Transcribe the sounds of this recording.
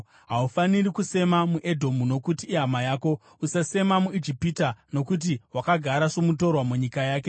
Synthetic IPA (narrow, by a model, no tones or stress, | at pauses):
ɦaufanirikuse̞mamuʔe̞dʱo̞muno̞kutiːɦamajaːko̞ | usase̞mamuid͡ʒipitano̞kut̬iwakaɡʱaɾaʂomuto̞rwamuɲikajaːk̬e̞